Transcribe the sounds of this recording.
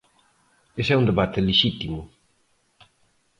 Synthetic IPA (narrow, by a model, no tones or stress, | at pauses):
esɛund̪eβat̪ɪleʃit̪imʊ